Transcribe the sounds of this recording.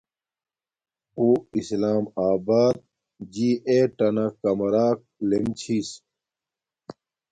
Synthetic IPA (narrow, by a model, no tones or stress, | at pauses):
uːislaːmaːbaːd̪̚ | d͡ʑiːʔeʈɐnɐkɐmɐɾaːk̚lemt͡ɕʰis